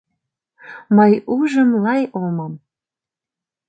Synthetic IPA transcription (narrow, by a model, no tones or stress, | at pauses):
məjuʒəmlɑjolmɑm